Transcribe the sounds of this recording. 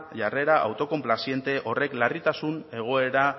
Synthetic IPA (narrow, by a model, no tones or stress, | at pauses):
ʝare̞ɾaʔa̰wt̪o̞ko̞mplasje̞nt̪e̞ʔo̞re̞klarit̪asune̞ɣ̞o̞e̞ɾa